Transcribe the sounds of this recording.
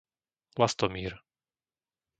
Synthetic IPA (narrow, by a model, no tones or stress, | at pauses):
last̪ɔmiːɾ